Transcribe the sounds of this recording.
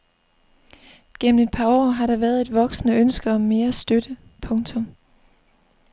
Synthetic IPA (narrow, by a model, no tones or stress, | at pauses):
ɡ̥en̰m̩e̝d̥̚pʰɑ̈ɒ̰ːɦɑ̈ɾɑ̈ʋæːɐð̞ˠe̝d̥ʋɒ̽ɡ̥sənəønsɡ̥ɐɒ̽me̝ːɐsd̥ød̥ə | pʰɔ̽ŋt͡sʰɔ̽m